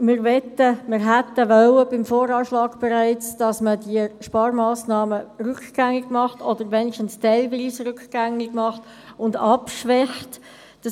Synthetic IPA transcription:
mɪɾʋɛtːəmɪɾɦætːəʋœwəbɪmfoːɾɑːʃlɑːɡ̥b̥ɛɾæɪt͡sd̥ɑsmədiəʃpɑːɾmɑːsnɑːmərʏkɡ̥æŋːɪɡ̥mɑχtɔd̥əɾʋɛnɪʃtən̩stɛlviːsɾʏkɡ̥æŋːɪɡmɑχt | ʊndɑpʃʋɛxt | d̥ɑ

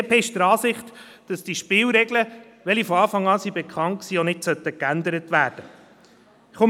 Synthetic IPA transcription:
peɪʃt̪əɾɑːsɪχt | d̥ɑsd̥iʃpɪːlɾɛɡlə | ʋɛlifɔɑːfɑŋːɑːsibɛkχɑŋt̚ksiːonɪtsœt̪ːəkænd̪əɾətʋæːɾd̥ə | χʊ

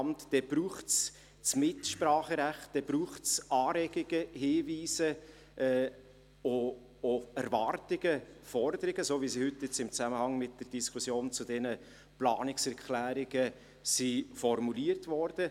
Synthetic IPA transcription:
mtd̥ɛb̥ɾuːχts | t͡smɪtʃpɾɑːχəɾæχt̚d̥ɛb̥ɾuːχtsɑːɾɛɡ̥ɪɡ̥əhɪːviːsə | ʔɛː | o | oæɾvɑrtɪɡ̥əfɔɾdəɾɪɡ̥əsoːvisihʏtːjɪt͡sɪmt͡sæməhɑŋmɪt̚d̥ərd̥iskʰʊsjoːnt͡sudɛnə | plɑ̰ːnɪksɛɾkχlæːɾɪɡə | sifɔɾmuliːərtvɔɾd̥ə

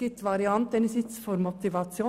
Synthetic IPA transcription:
ɪt̪ʋɑɾɪɑnt̪ɛnsɪt̪sfɔɾmɔpt̪ɪʋɑt̪ɪuː

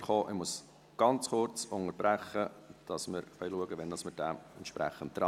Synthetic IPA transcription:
χoːʔɪmuəs | ɡ̥ɑnt͡sχʊɾt͡sʊŋəɾb̥ɾæχəd̥ɑsmɪɾfœʏluəɡəʋɛnd̥ɑsmɪɾd̥æɛnʃpɾæ̰χəntːɾɑ

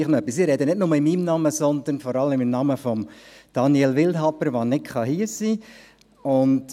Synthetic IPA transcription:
χnɔœpːisɪɾɛd̪ənɪtnʊməɪmiːmnɑməsɔnd̪ənfɔɾɑləmɪmnɑməfɔmd̥ɑnjɛlʋɪlthɑpəɾʋɑnɪkχɑɦiəsiː | ʊnt

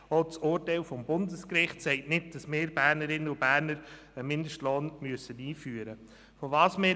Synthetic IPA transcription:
ot͡sʊːrtɛɪlfɔmbʊndəskɾɪχtsɛɪtnɪt̚d̥ɑsmɪːɾb̥æːɾnəɾɪnːəʊb̥æːɾnəɾ | əmɪndəʃtloːnmyəsəniːfyːəɾə | fɔvɑːsmɪ

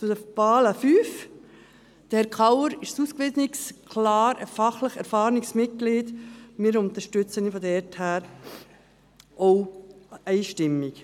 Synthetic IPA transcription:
t͡sʊd̥əpɑːləfyːf | d̥əhɛɾkʰɑwəɾɪʃsuːskʋɪsnikskʰlɑːɾɛ̰ɾfɑχləχɛ̰ɾfɑːɾɪksmɪt̚ɡ̥liːdmɪːɾʊnt̪əʃtʏt͡sənifɔdɛɾthæːɾ | ʔoʊɛɪʃtɪmːik

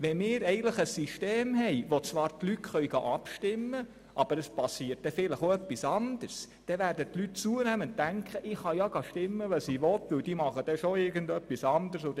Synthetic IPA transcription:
ʋɛmɪːɾɛɪɡənləχəsːiʃteːmɦɛjʋot͡sʋɑːɾtlytχœɥɡ̥ɑ̰ʔɑpʃtɪmːə | ʔɑb̥əɾəspɑsiət̚d̥ɛfɪləχoœpːisɑnd̥̪əɾs | d̥ɛʋæːɾdətlyt̚t͡suənæmənt̪ːæŋkχəʔɪχhɑjɑɡ̥ɑʃtɪmːəʋəsiʋɔt̪ʋɵwd̥imɑχəd̥ɛʃoɪɾɡəndœpːisɑnd̪ərso

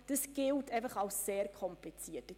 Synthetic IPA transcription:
d̥əsɡ̥ɪltɛɪfɐχaʊsseːɾkʰɔmplit͡siːətə

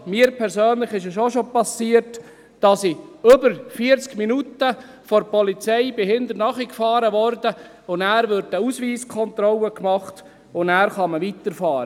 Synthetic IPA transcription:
miːəɾpʰɛɾsøːnlɪχɪʃəʃoʃopɑsiːəɾt | d̥ɑsiɵbəɾfiəɾt͡skminutə | fɔɾpɔlit͡sɛɪbɪhɪnd̪əɾnɑχikfɑːɾəʋɔrdə | ʊnæːɾʋʏɾdəusʋiːskʰɔnt̪ɾɔləkmɑχt | ʊnæːɾχɑməʋitəɾfɑːɾə

